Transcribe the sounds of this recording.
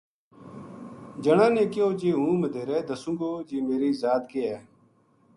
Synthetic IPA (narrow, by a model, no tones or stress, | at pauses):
d͡ʒəɳãːneːkɪjoːd͡ʒeːɦũːməd̪ʱeːɾɛːd̪əsũːɡoːd͡ʒiːmeːɾiːzaːd̪keːɛː